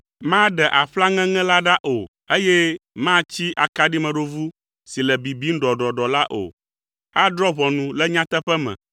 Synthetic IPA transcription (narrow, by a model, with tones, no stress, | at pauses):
mã˦ɖɛ˨ʔa˨ɸla˦ŋɛ̃˦ŋɛ̃˦la˦ɖa˦ʔo˨ | e˦jɛ˦mã˦t͡ɕi˦ʔa˨ka˨ɖi˦mɛ̃˨ɖo˦vu˦ | si˨lɛ˨bi˨bi˦ŋ̩˦ɖɔ˨ɖɔ˨ɖɔ˨la˦ʔo̰˨ | a˦d̪ɾɔ˦βɔ˨nũ˨lɛ˦ɲã˦t̪ɛ˦ɸɛ˦mɛ̰̃˨